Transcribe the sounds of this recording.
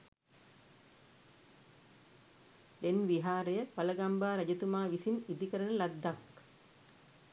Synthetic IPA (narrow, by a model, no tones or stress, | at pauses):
d̪enʋiɦaːɾəjəpɐləɡambaːɾɐd͡ʒət̪umaːʋisinid̪ikəɾənəlad̪ːak